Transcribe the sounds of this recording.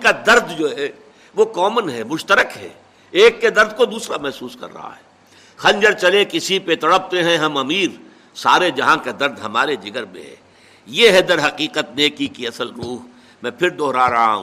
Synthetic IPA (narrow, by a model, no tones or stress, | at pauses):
kad̪ɐɾd̪d͡ʒoːɦɛ | ʋokɔːmənɦɛmʊʃt̪əɾəkɦɛ̰ː | eːkːed̪ɐɾd̪̚kod̪uːsɾamɛɦsuːskɐ̰ɾːɐ̰ɦa̰ɦɛː | xɐ̃ɲd͡ʒəɾt͡ʃɐlekɪsipet̪ɐɽəb̚t̪eɦɛ̃ɦɐmɐmiːɾ | saːɾed͡ʒɐɦãkad̪ɐɾd̪ɦɐmaːɾed͡ʒɪɡəɾmḛ̃ɦɛ̰̃ː | jeɦɛd̪ɐɾɦɐqiːqət̪̚neːkikiɐsəlɾuːɦ | mɛ̃pʰɪɾd̪ɔːɾaɾɐɦa̰ɦṵ̃